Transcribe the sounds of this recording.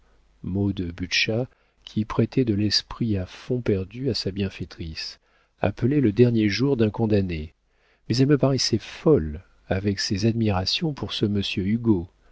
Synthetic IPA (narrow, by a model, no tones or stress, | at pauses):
mod̪əbyʃa | kʲʰipχɛt̪ʰɛd̪əlɛspχiafɔ̃pɛʁd̪yasabjɛ̃fet̪χis | a̰pəlɛləd̪ɛʁnjeʒuʁd̪ɛ̃kɔ̃d̪ane | mɛzɛlməpaʁɛsɛfɔl | avɛksezad̪miʁasjɔ̃puʁsəməsjøyɡo